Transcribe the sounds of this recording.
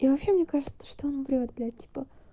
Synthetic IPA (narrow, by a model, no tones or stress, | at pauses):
ivɐpɕe̞mnʲekaʐɨt̪sə̥ʂt̪oonbɾʲɪvʲat̪̚blʲat̚ʲtʲi̥pə